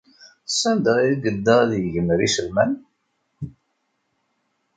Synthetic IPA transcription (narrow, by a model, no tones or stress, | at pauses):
sænd̪əiɡəd̪ːəðjʝəmɾisəlmæn